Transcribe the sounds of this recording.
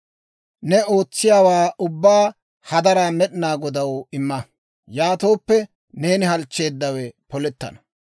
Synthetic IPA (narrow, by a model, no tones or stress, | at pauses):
nɛo̞ːt͡sːɪjaːwaːʔʊbːaː | hɐd̪ɐɾaːmɛɗɪnaːɡɔd̪ɐwɪmːɐ | jaːt̪o̞ːpːɛ | ne̞ːnɪɦɐlt͡ʃːe̞ːd̪ːɐwɛpɔlɛt̪ːɐ̰nɐ̥